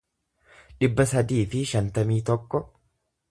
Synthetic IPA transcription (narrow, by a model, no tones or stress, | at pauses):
ᶑɪbːɐsɐd̪iːfɪʃɐnt̪ɐmiːt̪ɔkːɔ